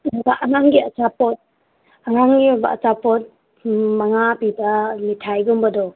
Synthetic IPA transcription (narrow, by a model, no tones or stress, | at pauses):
baʔanaŋɡiɐt͡ʃapɔt̚ | aɾaŋɡibaɐ̰t͡ʃapɔt̚ | maŋapibɐmitʰajɡumbɐdɔ